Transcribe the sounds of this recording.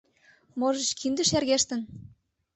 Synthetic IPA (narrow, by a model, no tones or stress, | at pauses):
moʒɤ̆ʃkʰind̪ə̆ʃjærɣeʃt̪ɘ̆n